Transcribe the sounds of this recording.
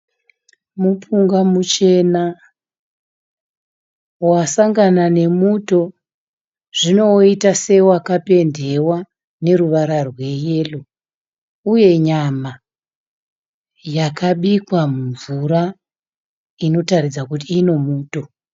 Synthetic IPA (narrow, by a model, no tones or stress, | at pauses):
mupuŋɡamut͡ʃe̞na | wasaŋɡanane̞muto̞ | ʐ̥ino̞itase̞wakape̞nde̞wa | ne̞ɾuʋaɾarwe̞je̞lo | uje̞ɲama | jakʰaɓikwamuɱvuɾa | ino̞taɾid͡zakutiːno̞muːto̞